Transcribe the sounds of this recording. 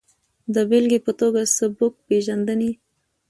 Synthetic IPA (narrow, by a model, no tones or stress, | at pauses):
d̪əbelɡepət̪oɡasəbʊk̚peʒand̪əni